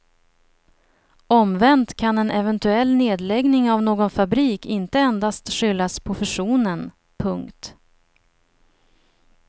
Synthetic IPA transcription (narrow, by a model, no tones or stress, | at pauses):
ɔmvɛnt̪kʰanɛnʔɛvɛnt̪ɵɛlːneːd̪lɛɡnɪŋavnoːɡɔnfabɾiːkɪnt̪əɛnd̪ast̪ɧʏlːaspʰɾʊfɛʂuːnən | pʰɵŋkt̪